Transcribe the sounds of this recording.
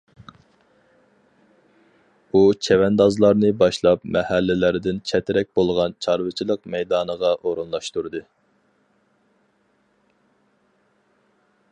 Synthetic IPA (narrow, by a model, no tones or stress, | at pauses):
ut͡ʃʰɛwɛnd̪ɑzlˠɑɾnɨbɑʃlˠɑpmɛhælːɪlæɾɪd̪ɪnt͡ʃʰɛt̪ʰɪɾɛk̚ʲbolˠʁɑnt͡ʃʰɑɾvɨt͡ʃʰilˠəqmɛjd̪ɑːnəʁɑʔoɾunlˠɑʃt̪uɾd̪ɨ